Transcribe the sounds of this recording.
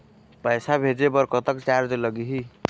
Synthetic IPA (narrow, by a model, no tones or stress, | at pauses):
pəjsabʱed͡ʒepəɾkət̪əkt͡ʃaɾd͡ʒləɡiɦi